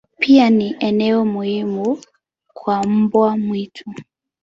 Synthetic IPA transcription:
pʰianiʔɛnɛɔmuhimu | kʰwam̩bwamwitʰu

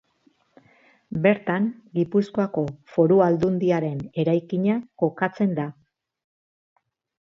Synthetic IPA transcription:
be̞ɾt̪aŋɡipusko̞ako̞fo̞ɾuald̪und̪iaɾe̞ne̞ɾajkiɲako̞kat͡se̞nd̪a

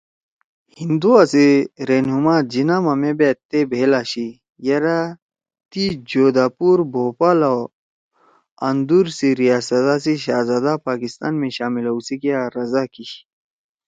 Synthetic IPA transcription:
hind̪uaseɾeːnɦumad͡ʑinamɐmebet̪ːebʱeːlaːɕi | jɐɾa | t̪id͡ʑoːd̪aːpuːɾbʱoːpala | ɐnd̪uɾsiɾijaːsɐt̪asiɕaːzaːd̪apaːkist̪a̰ːnmẽɕaːmilɐusikijaɾɐzakiɕ

